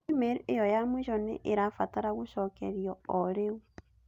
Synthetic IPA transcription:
imeɾejojamuʃonḛʔeɾafataɾaɣoʃokḛɾjɔoɾeu

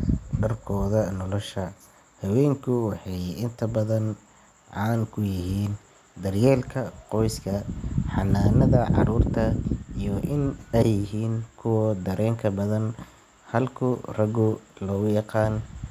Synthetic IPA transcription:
ɖɐrkʰɔːðɐnɔlɔʃɐ | hɐwɛːŋkʰʊwɑħɑjɪnt̪ʰɐbɐðɐn | ʕɑːnkʰʊjɪɦiːn | d̪ɐrjɛːlkʰɐqɔjskʰɐħɑnːaːnɐðɐʕɑ̰ɾuːrt̪ʰɐijɔʔɪnɛjɪɦiːnkʰʊwɔd̪ɐɾɛːŋkʰɐbɐðɐn | hɐlkʰʊrɐɡʊlɔːɣʊjɑqɑːn

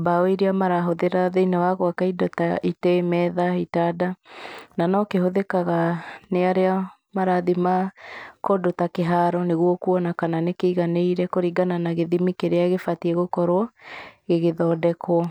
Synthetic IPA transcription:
baoiɾiamaɾaɦoðeɾaðeinawaɣoakaidɔtaitɛmɛðaitadananɔkeɦoðekaɣaneaɾea | maɾaðimakɔdotakeɦaɾɔneɣuɔkuɔnakananekeiɣaneiɾɛkoɾiɡananaɣeðimikeɾeaɣefatiɛɣokɔɾoɔɣeɣeðɔdɛkwɔ

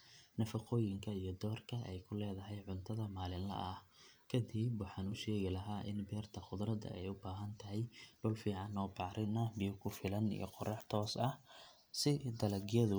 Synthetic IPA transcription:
nɐfɑqɔːjɪŋkʰɐijɞd̪ɔːrkʰɐʔɛjkʰʊlɛːðɐɦɛjʕʊnt̪ʰɐðɐmaːlɪnlɐ̰ʔɐhkʰɐd̪ɪbwɑħɑːnʊʃɛːɣɪlɐɦaːʔɪnbɛːrt̪ʰɐχʊd̪ɾɐd̪ɐ̰ʔɛ̰jʊbaːɦɐnt̪ʰɐɦɛjɖʊlfiːʕɑnːɔːbɑʕɾʔɪnɐbijʊkʰʊfɪlɐnḭjɔ̰qɔrɛːħt̪ʰɔːsɐh | sɪd̪ɐlɐɣjɐðʊ

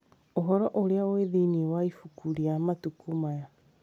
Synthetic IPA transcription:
oɦɔɾɔʔoɾeaoeðiːniɛwaifukuɾiamatukumaja

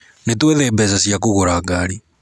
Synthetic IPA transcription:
netweðɛbɛsasjak̬oɣoɾaɡaɾi

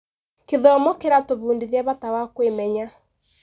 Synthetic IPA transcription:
keðɔɔmɔkeɾatoβuːndiðiaβatawakwemɛɲa

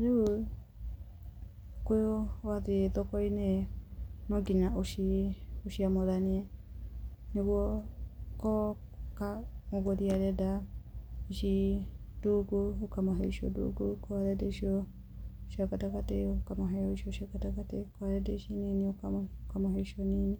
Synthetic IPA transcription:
ɾeo | kojowaðeeðɔkɔine | nɔɡiɲaoʃioʃiamoɾaniɛ | neɣwɔ | kɔkamoɣoðiaɾɛda | iʃiduɡuokamaɦɛiʃiɔ̰dṵːɡukɔaɾɛdeʃiɔ | ʃiakatakateokamoɦɛɔiʃioʃiakatakatekɔaɾɛdeiʃininiokakamoɦɛiʃiɔnini

